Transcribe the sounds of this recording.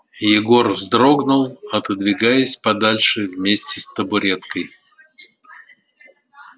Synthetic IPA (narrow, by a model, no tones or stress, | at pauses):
jɪɡo̞rzd̪ɾo̞ɡnʊlˠɐt̪əd̪vʲɪɡajəsʲpɐd̪alʲʂɨvmʲesʲtʲɪst̪əbʊɾʲet̪kəj